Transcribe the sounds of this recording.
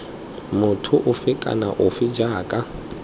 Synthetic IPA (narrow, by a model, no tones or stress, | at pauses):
mʊtʰʊʔʊfɪkʼa̰naʔʊfɪd͡ʒaːkʼa